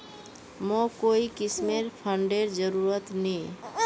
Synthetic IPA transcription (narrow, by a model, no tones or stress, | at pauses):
mõkoikɪsmeɾpʰə̃ɳɖeɾd͡ʒəɾuɾət̪nĩ